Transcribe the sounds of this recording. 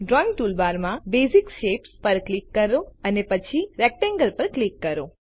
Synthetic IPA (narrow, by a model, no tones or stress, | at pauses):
ɖɾɔiŋɡ̚ʈulbaɾmãbezikʃepspəɾklikːəɾoənepət͡ʃʰiɾɛk̚ʈɛ̃ŋɡəlpəɾklikːəɾo